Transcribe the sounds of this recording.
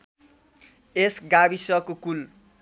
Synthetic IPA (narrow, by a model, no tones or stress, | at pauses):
esɡabisʌkokul